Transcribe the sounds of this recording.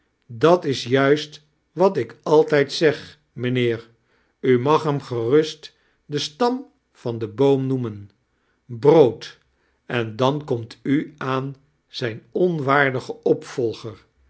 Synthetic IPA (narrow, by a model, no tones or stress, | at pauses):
dɑtɪsjœɥst | ʋɑtɪkɑlˠtɛjtsɛχ | mənɪːɹ | ymɑχɦɛmχərɵst | dəstɑm | fɑndəbowmnumən | browt | ɛndɑnkɔmtʰyaːn | z̥ɛjnɔnʋaːɹdəχəɔpfɔlˠχəɹ